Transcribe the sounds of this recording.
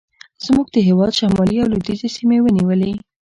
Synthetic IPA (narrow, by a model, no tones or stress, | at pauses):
z̥muɡ̚d̪əɦewɑd̪ʃamɑliawlud̪izesimewəniwəle